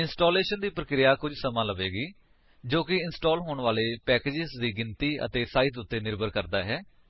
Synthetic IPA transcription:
ɪnsʈoːleːʃənd̪iːpɾəkɾɪjaːkʊd͡ʒsəmãːləʋeːɡiː | d͡ʒoːkɪɪnsʈoːlɦoːɳʋaːleːpɛːkeːd͡ʒɪsd̪iːɡɪnt̪iːə̰t̪eːsaːɪt̪ʊt̪ːeːnɪɾbʱəɾkəɾd̪aːɦɛː

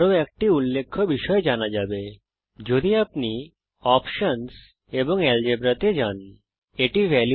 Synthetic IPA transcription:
ɾoɛk̚ʈiulːekʰːɔbiʃɔjd͡ʒanad͡ʒabe | d͡ʒod̪iapni | ɔpʃəns | ebɔŋɛld͡ʒebɾat̪ed͡ʒan | eʈiʋɛlj

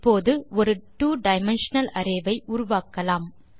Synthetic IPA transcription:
pːoːðɯɔɾɯʈuːɖɐɪmɛnʂɐnɐlɐɾɐɪʋɐɪʔʊɾʊʋaːkːɐlaːm

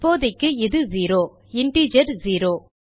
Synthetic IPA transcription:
poːðɐɪkːɯɪðɯziːɾoː | ɪɳʈiːd͡ʒɐɾziːɾoː

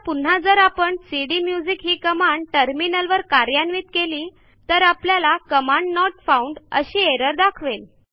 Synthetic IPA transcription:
pun̤ad͡zəɾapəɳsiɽimjud͡zikɦiːkəmaɳɖʈəɾminəlʋəɾkaɾjanʋiːt̪keliː | t̪əɾapljalakəmaɳɖnɔʈfauɳɖə̰ɕiːeɾəɾd̪akʰʋel

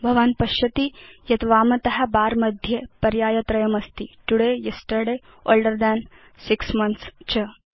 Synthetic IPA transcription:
bʱəʋanpɐɕɐt̪ijɐt̪ʋaːmɐt̪ɐɦabaːɾməd̪ʱjepɐɾjaːjɐt̪ɾɐjəmɐst̪iʈuɽejesʈəɽe | olɖəɾd̪ɛn | siksmɐnt̪st͡ɕə

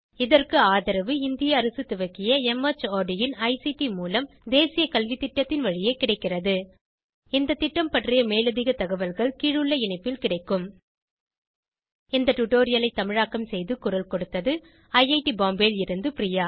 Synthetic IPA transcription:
ɪðɐrkɯaːðɐɾɐʋɯɪnd̪ɪjɐːɾɐsɯt̪ːʊʋɐkːɪjɐɛmɐt͡ʃaːɖɪjɪnɐɪsiʈimuːlɐm | d̪eːsɪjɐkɐlʋit̪ːɪʈːɐt̪ːɪnʋɐɻɪjeːkɪɽɐɪkːɪrɐðɯ | ɪnd̪ɐt̪ːɪʈːɐmpɐʈrɪjɐmeːlɐðɪɣɐt̪ɐɣɐʋɐlɣɐɭkiːɻɯɭːɐɪɳɐɪpːɪlkɪɽɐɪkːɯm | ɪnd̪ɐʈʊʈoːɾɪjɐlɐɪt̪ːɐmɪɻaːkɐmsɛjðɯkʊrɐlkɔɽɯt̪ːɐðɯ | ɐɪɐɪʈibaːmbeːlɪɾɯnd̪ɯprɪjaː

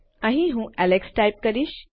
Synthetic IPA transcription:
ãɦĩɦũːʔæleksʈajp̚kəɾiːɕ

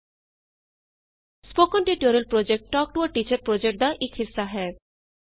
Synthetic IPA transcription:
spokɔnʈiʈoɾiəlpɾod͡ʒek̚ʈʈɔːk̚ʈuəʈit͡ʃəɾpɾod͡ʒek̚ʈ̚d̪aʔɪkɦɪsːaɦɛː

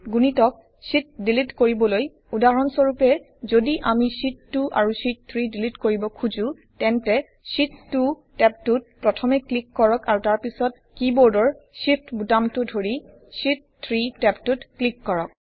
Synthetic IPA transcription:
ɡunitɔk̚ | sit̚dilitkoɹibɔloj | udaɹɔnsɔɹupɛ | zodiʔamisitːuʔa̰ɹusit̚t̪ʰɹidilitkoɹibɔkʰuzũ | tɛntɛ | sitːu | tɛp̚tut̚pɹɔtʰɔmɛklikːɔɹɔkaɹutaɹpisɔt̚kibɔɹdɔɹsipʰtbutamtʊdʱoɹi | sit̚ | t̪ʰɹitɛptutklikːɔɹɔk̚

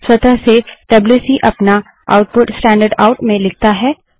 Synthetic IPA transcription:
swɐt̪əɦseɖ̥ɐbljuːsiʔɐpna | a̰ːʊʈ̚pʊʈsʈɛ̃ːɳɖəɾɖaːʊʈmẽlɪk̚t̪aɦɛː

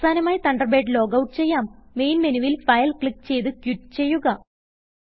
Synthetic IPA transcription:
saːnɐmaːjit̪ɐɳɖɐrbeːʈɨlo̞ːɡɐwʈɨ̥t͡ɕe̞jːaːmːe̞jnmenuʋilfɐjɐlkɭikːt͡ɕe̞jt̪ɨkjutːt͡ɕe̞jːuɣɐ

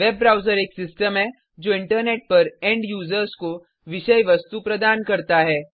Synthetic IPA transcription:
ʋeːbːɾaːʊzəɾeːksɪsʈəmɦɛ | d͡ʒoːɪ̃ɳʈəɾneːʈ̚pɐɾɛ̃ːɳɖjuːzəɾsko | ʋɪʃəjʋɐst̪upɾɐd̪aːnkɐɾt̪aɦɛː

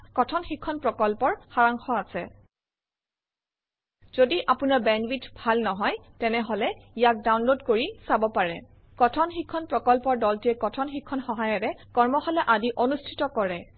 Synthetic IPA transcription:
kɔtʰɔnxikʰːɔnpɹɔkɔlpɔɹxaɹaŋxɔasɛ | z̥odiʔapunaɹbɛnwitbʱalnɔɦɔjtɛnɛɦolɛijak̚dawnlodkoɹisabɔpaɹɛ | kɔtʰɔnxikʰːɔnpɹɔkɔlpɔɹdɔltiɛkɔtʰɔnxikʰːɔnxɔɦajɔɹɛkɔɹmɔxɔlɛʔadiʔonustʰi̥tɔkɔɹɛ

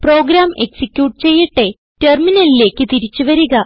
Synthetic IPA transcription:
pro̞ːɡɾaːmeksikʲjuːʈ̚t͡ɕe̞jːiʈːe̞ | terminɐlile̞ːkːɨt̪iɾit͡ɕːuʋɐɾuɣɐ

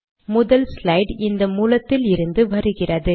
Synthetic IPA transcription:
mʊðɐlslɐɪɖɪnd̪ɐmuːlɐt̪ːɪlɪɾɯnd̪ɯʋɐɾɯɣɪrɐðɯ

